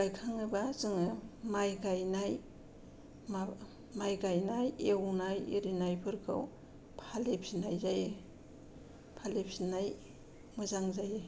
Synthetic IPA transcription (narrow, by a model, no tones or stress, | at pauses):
ɡajkʰaŋɯbazɯŋɯmajɡajnaj | ma | majɡajnajewnajḛɾinajpʰɯɾkʰɯ̰w | pʰalepʰinajzaje | pʰalepʰinaj | mɯzaŋzaje